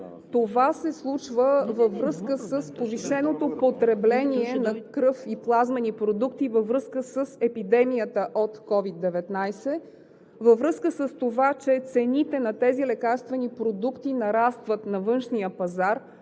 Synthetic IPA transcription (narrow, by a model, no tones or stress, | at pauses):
t̪ovasɛslˠut͡ʃvəvəvɾɤskəsəspoviʃɛnot̪opot̪ɾɛblɛniɛnɐkɾɤfiplˠazmɛnipɾod̪ukt̪ivəvɾɤskəsəsɛpid̪ɛmijət̪əʔot̪kɔvid̪ːɛvɛt̪najsɛ | vəvɾɤskəsəst̪ovat͡ʃɛt̪sɛnit̪ɛnɐt̪ɛzilɛkaɾst̪vɛnipɾod̪ukt̪inɐɾast̪vət̪nɐvɤnʃnijəpɐzaɾ